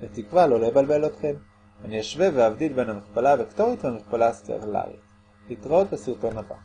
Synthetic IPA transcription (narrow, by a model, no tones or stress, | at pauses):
let̪ikvalo̞lejbalbe̞lotχe̞m | aniaʃveveavdidbenhamiχpalavikto̞ʁitlemiχpalastea̰ʁla̰ʁḭt | litʁaot̪̚besiʁto̞naba̰